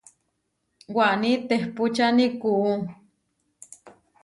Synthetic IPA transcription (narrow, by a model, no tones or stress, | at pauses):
waʔnit̪ehput͡ʃanikuʔu